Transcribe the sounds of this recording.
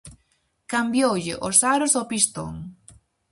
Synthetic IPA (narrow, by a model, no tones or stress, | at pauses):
kambjowʎɪʔosaɾosopist̪o̰ŋ